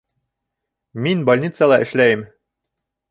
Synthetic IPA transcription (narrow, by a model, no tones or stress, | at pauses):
minbɐlʲnʲit̪səlˠɑʔɘ̆ʃlæjɘm